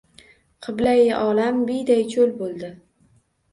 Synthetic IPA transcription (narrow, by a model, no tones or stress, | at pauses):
qʰɨblajʔɒlambɪjd̪ajt͡ʃʰolbolˠd̪ɪ